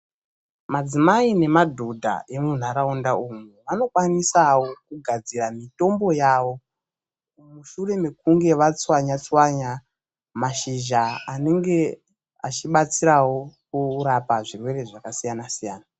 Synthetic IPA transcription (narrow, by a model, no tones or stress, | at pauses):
mad͡zimaine̞madʱodʱa̰ʔe̞mun̤aɾaundaumuʋano̞kwanisawokuɡʱad͡ziramito̞mbo̞jawo̞ | muʃure̞me̞kuŋɡe̞ʋat͡swaɲat͡swaɲa | maʃiʒaane̞ŋɡe̞ | at͡ʃiɓat͡siɾawo̞kuɾapaʐirwe̞re̞ʐakasijanasijaːna